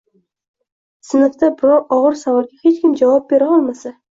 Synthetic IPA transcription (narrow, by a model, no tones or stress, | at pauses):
sɨnɨkt̪abɪɾɑwɒʁəɾsawɑlˠɡʲahet͡ʃkʲɪmd͡ʒɑwɑp̚be̞ɾɪɒlˠmasa